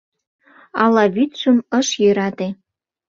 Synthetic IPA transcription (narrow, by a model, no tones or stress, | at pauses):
ɑlɑβyt̪ʃumə̆ʃjøɾɑt̪e